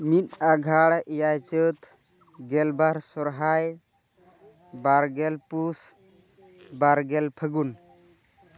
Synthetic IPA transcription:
mit̪̚aɡʱaɽʔijajt͡ʃət̪ | ɡɛlbaɾsɔɾɦaj | baɾɡɛlpus | baɾɡɛlpʰəɡun

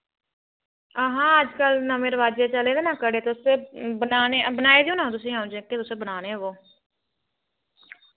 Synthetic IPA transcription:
əɦãːəd͡ʒkəlnəmẽːɾəʋaːd͡ʒeːt͡ʃəleːd̪eːnãːkəɽeːt̪eʊseːbənaːnebənaːeːd̪iũːnãːõt̪ʊsĩːãʊ̃d͡ʒẽːket̪ʊseːbənaːneːʋoː

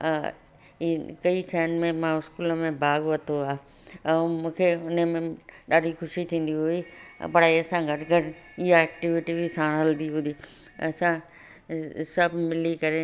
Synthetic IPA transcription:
kɐisʰaːnmẽmãɪskuːləmẽbʱaːɡʋɐt̪ʰoaː | ɛ̃mũːkʰeʊnəmẽɗaːɖʱixʊʃit̪ʰĩːn̆d̪iɦuḭpɐɽaiɐsãɡʱɐʈɡʱɐʈɪɦaɛːk̚ʈɪʋɪʈibisaːɽ̃ɦɐld̪iɦũd̪i | ɐ̰sã | sɐbʱmɪlikɐɾe

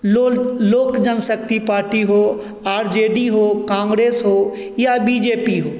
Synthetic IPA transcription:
loːkd͡ʒənsək̚t̪ipaːɾʈiɦoː | aːɾd͡ʒeːɖiɦoːkãːŋɡɾeːsɦoː | jabiːd͡ʒeːpiɦoː

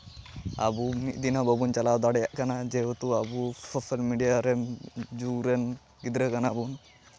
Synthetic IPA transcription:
a̰bumit̪̚ˀd̪inabəbunt͡ʃalawd̪aɽɛjaʔkanad͡ʒɛɦot̪uabusʰɔpʰɛlmiɖijaɾɛd͡ʒuɡɾɛn | ɡid̪ɾəkanabun

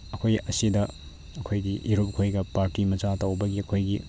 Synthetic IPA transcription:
ɐkʰojɐsidɐ | ɐkʰojɡiʔiɾup̚kʰojɡɐpaɾtimɐt͡ʃatɐwbɐɡiɐkʰojɡi

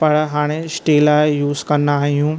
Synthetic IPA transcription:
pɐɽɦaːɽ̃esʈeːlaːɪjuːzkɐndaːɦijũː

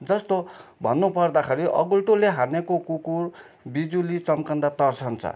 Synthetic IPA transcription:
d͡zʌst̪obʱʌnːupʌrd̪akʰeɾiʔʌɡulʈoleɦanekokukur | bid͡zulit͡sʌmkʌnd̪at̪ʌrt͡sʰʌnt͡sʰʌ̰

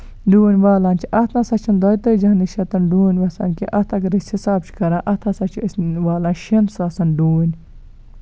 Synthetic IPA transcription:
ɖuːnʲʋaːlaːnʲt͡ʃʰiʔɐt̪ʰnasɐt͡ʃʰɐnd̪oːjit̪əd͡ʒɐɦnɨʃɐt̪ɐnɖuːnʲʋɐsɐ̰nkiʔɐt̪ʰɐkɐɾishisaːb̚t͡ʃʰkɐɾãːʔɐt̪ʰasɐt͡ʃʰiəsʋaːlãːnʃinsɐsɐnɖuːnʲ

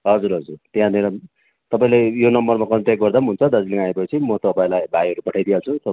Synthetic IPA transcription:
ɦʌd͡zuɾɦʌd͡zurt̪eɦãneɾʌ | t̪ʌpaĩlejonʌmbʌrmakʌnt̪jak̚ɡʌrd̪amɦunt͡sʰʌd̪ʌd͡ziliŋaepʌt͡sʰimʌt̪ʌpaĩlajbʱajɦʌɾupʌʈʰajd̪ijat͡sʰut̪ʌ

